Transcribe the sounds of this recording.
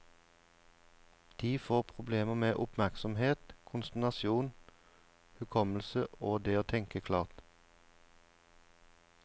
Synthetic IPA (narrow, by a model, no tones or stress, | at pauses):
d̪̥iːfoːʁpʰʁʊbleːməmeːʔʊpmæʁksɔmheːt̪kʰʊnst̪n̩ɑsuːn | hʉkʰɔməl̩səoːd̪eːoːt̪ʰɛŋkəkʰlɑːʁt̪